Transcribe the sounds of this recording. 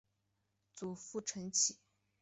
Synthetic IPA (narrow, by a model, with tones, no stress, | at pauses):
t͡su˨˩fu˥˩ʈ͡ʂʰə˧˥ŋt͡ɕʰi˨˩˦